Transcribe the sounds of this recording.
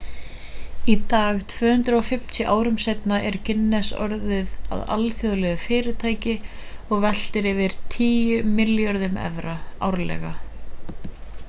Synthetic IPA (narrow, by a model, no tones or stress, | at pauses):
it̪aːɣt̪ʰvœːhʏnt̪ɾaɔfɪm̥t̪ʰjʏʔaːwɾʏmsejt̪naʔɛɾcʰɪnːɛsɔ̰ɾðɪða̰ða̰lfjɔðlɛɣʏfɪːɾɪt̪ʰaːjcɪ | ɔɣvɛl̥t̪ɪɾɪvɪɾ̥t̪ʰiːjʏmɪljaɾðʏmɛ̰vɾaawɾlɛ̰ɣa